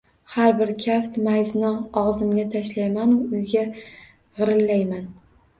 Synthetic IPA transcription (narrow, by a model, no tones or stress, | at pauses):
haɾbɪɾkʲʰaft̪majznɒɒʁzɪmɡʲat̪ʰaʃlajmanʊʊjɡʲa | ʁɨɾɪlːajman